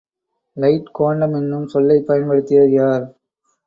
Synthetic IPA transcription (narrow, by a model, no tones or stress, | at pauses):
lɐɪʈkoːɳɖɐmɛnːɯmsɔlːɐɪpːɐjɐnpɐɽɯt̪ːɪjɐðjaːɾ